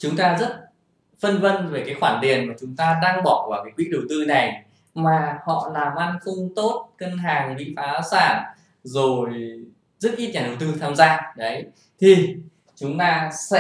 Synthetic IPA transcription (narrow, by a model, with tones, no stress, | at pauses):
t͡ɕʊ˨˦ŋ͡mt̪aː˧zə˦˥t̚ | fə˧nvə˧nve˨˩kaː˨˦jxwaː˧˩nɗ̪i˨˩ənmaː˨˩t͡ɕʊ˨˦ŋ͡mt̪aː˧ɗaː˧ŋɓɔ˧˩kwaː˧˩kaː˨˦jkwḭ˧˥ɗə˨˩wt̪ɨ˧na˨˩j | maː˨˩hɔ̰˧˨laː˨˩mʔa˧nt̪ʊ˧ŋ͡mt̪o˦˥t̚kə˧nɦaː˨˩ŋɗḭ˧˥faː˨˦saː˧˩n | zo˨˩j | zɨ˦˥t̚ʔi˦˥t̚ɲaː˨˧˩ɗə˨˩wt̪ɨ˧t̪ʰaː˧mzaː˧ɗə˨˦j | t̪ʰi˨˩ | t͡ɕʊ˨˦ŋ͡mt̪aː˧sɛ̰˧˥